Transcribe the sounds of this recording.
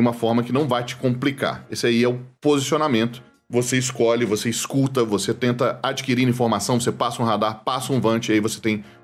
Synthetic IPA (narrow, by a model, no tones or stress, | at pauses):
ũmɐfɔɾmɐkɪnɐ̃w̃vajt͡ʃɪ̥kõmplika̰ɾesɪaiɛʊpozisionamẽnt̪ʊ̥ | voseiskɔʎɪvoseiskut̪ɐvoset̪ẽnt̪ɐad͡ʒikiɾiɾɐĩfoɾmasɐ̃w̃vosepasɐũɦad̪aɾpasɐũvɐ̃t͡ʃɪiaivose̥t̪ẽj̃